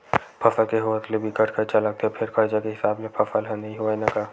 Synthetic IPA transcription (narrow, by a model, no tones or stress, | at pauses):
pʰɐfəlkeɦoət̪lebʱikɐʈʰkəɾt͡ʃalaɡ̚t̪epʰɪɾkɐɾd͡ʒakeɦɪsaːbmẽpʰɐfəlɦɛ̃nɐɦĩɦoɛnɐkaː